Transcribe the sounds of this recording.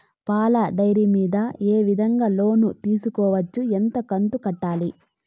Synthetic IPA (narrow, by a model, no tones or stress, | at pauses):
paːlɐɖɐjɾimiːd̪ɐe̞ːʋid̪ʱɐŋɡaːlo̞ːnut̪iːsukɔːʋɐt͡ʃːuent̪ɐkɐnt̪ukɐʈːaːli